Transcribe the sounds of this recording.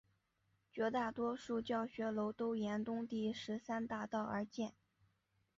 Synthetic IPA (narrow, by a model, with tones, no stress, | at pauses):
t͡ɕɥɛ˧˥t̪a˥˩t̪wɔ˥ʂu˥˧t͡ɕjɑ˥˩ʊɕɥɛ˧˥lo˧˥ʊt̪o˥ʊjɛ˧˥nt̪ʊ˥ŋt̪i˥˩ʂɻ̩˧˥sa˥nt̪a˥˧t̪ɑ˥˩ʊə˞˧˥t͡ɕjɛ˥˩n